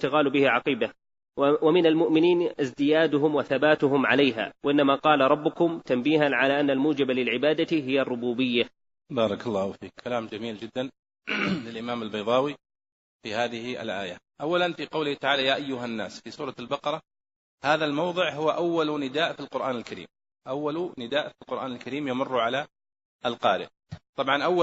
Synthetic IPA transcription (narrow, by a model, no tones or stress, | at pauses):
ɪt̪ɪɣaːlbɪhɪʕɑqiːba | wamɪnalmʊʔmɪniːnɪzd̪ɪjaːd̪ʊɦʊmwaθabaːt̪ʊɦʊmʕalajɦa̰ːwaʔɪnːamaqɑːlaɾˤɑbːʊkʊmt̪ambiːhanʕalaːʔanːalmuːd͡ʒɪbalɪlʕɪbaːd̪aɦɪjːarˤːʊbuːbɪjːa | bɑːɾˤɑkɑlˤːɑːhʊfḭːkkʰːalaːmd͡ʒamiːld͡ʒɪd̪ːan | lɪlʔɪmaːmalbajðˤɑːwi | fihaːðɪhɪa̰lʔa̰ːjaʔawːalanfiqɑwlɪht̪aʕaːlajaːʔajːʊɦanːaːsfiːsuːɾˤɑlbɑqɑɾˤɑ | haːðalmɑwðˤɨʕɦʊwʔawːalnɪd̪aːʔfilqʊɾʔaːnɪlkaɾḭːm | ʔawːalnɪd̪aːʔfilqʊɾʔaːnalkaɾiːmjamʊrˤːʕala | ʔalqɑːɾɪ̰ʔ | t̪ˤɑbʕɑnʔawːa